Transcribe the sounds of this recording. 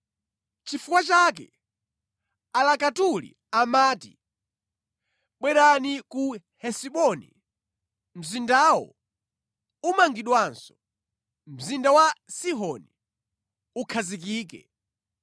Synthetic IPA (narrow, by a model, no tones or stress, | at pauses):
t͡ʃifukwat͡ʃak̬ɛ̰ | alakatulḭ | amaːti̥̰ | ɓwɛɾaniku | hɛsiɓɔnḭ | m̩zindawɔ̰ | umaŋɡiɗwansɔ̥ | m̩zindawasiɦɔni | ukʰazik̬iːkɛ̰